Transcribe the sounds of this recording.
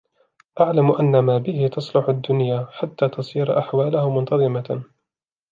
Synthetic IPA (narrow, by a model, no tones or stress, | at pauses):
ʔaʕlamʔanːamaːbɪhɪt̪ɑsˤlʊħʊd̪ːʊnjaːħat̪ːaːt̪ɑsˤiːɾʔaħwaːlahʊmʊnt̪ɑðˤɨma